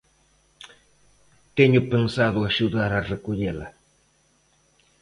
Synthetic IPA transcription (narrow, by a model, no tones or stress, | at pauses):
t̪eɲopensaðoaʃud̪aɾarekʊʎela̰